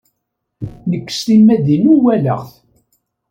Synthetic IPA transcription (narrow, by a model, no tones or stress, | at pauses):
nəkːst̪imːæðinuwælə̰ʁθ